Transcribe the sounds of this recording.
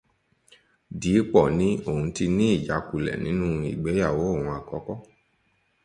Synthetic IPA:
di˨˦k͡pɔ˦˨nĩ˨˦o˦˨hũ˧ti˧nĩ˦i˦˨d͡ʒa˨˦ku˦˨lɛ̰˨nĩ˨˦nũ˦ḭ˨ɡ͡be˨˦ja˦˨wo˨˦˨ũ˧a˨kɔ˨˦kɔ˦

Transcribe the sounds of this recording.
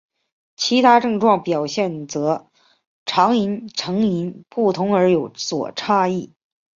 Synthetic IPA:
t͡ɕʰi˧˥t̪ʰa˥ʈ͡ʂɤ˥˧ŋʈ͡ʂwɑ˥˩ŋpjɑ˨˩ʊɕjɛ˥˩nt͡sɤ˧˥ | ʈ͡ʂʰɑ˧˥ŋi˧˥nʈ͡ʂʰɤ˧˥ŋi˧˥npu˥˩t̪ʰʊ˧˥ŋə˞˧˥jo˨˧˥ʊswɔ̰˨˩ʈ͡ʂʰa˥i˥˩

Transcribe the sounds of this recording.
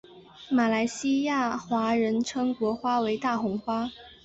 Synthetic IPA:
ma˨˩la˧˥ɪɕi˥ja˥˩xwa˧˥ɻə˧˥nʈ͡ʂʰɤ˥ŋkwɔ˧˥xwa˥we˧˥ɪt̪a˥˩xʊ˧˥ŋxwa˥

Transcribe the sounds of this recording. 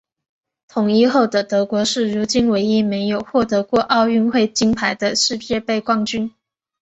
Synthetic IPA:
t̪ʰʊ˨˩ŋi˥˧xo˥˩ʊd̪ə˩t̪ɤ˧˥kwɔ˧˥ʂɻ̩˥˩ɻu˧˥t͡ɕi˥nwe˧˥ɪi˥me˧˥ɪjo˨˩ʊxwɔ˥˩t̪ɤ˧˥kwɔ˥˧ʔɑ˥˧ʊy˥˧nxwe˥˩ɪt͡ɕi˥ŋpʰa˧˥ɪd̪ə˧ʂɻ̩˥˧t͡ɕjɛ˥˧pe˥˧ɪkwɑ˥˧˩ŋt͡ɕy˥n

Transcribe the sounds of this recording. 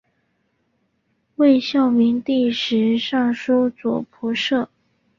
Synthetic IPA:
we˥˧ɪɕjɑ˥˩ʊmi˧˥nt̪i˥˩ʂɻ̩˧˥ʂɑ˥˩ŋʂu˥t͡swɔ̰˨˩pʰu˧˥ʂɤ˥˩

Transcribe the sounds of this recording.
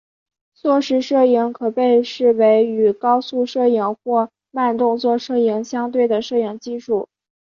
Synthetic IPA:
t͡swɔ˥˩ʂɻ̩˧˥ʂɤ˥˩i˧˥ŋkʰɤ˨˩pe˥˧ɪʂɻ̩˥˩we˧˥ɪy˨˩kɑ˥ʊsu˥˧ʂɤ˥˩i˧˩ŋxwɔ˥˧ | ma˥˧nt̪ʊ˥˧ŋt͡swɔ˥˧ʂɤ˥˩i˧˥ŋɕjɑ˥ŋt̪̬we˥˩ɪd̪ə˩ʂɤ˥˩i˧˩ŋt͡ɕi˥˧ʂu˥˩

